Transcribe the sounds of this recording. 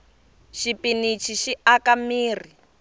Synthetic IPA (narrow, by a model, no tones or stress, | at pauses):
ʃipinit͡ʃʰiʃiakamiːr̤i